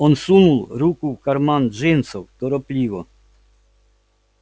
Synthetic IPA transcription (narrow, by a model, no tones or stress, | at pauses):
ɔnsunulˠɾukuwkaɾmanʒensɔwd̪ɔɾɔplʲiʋɔ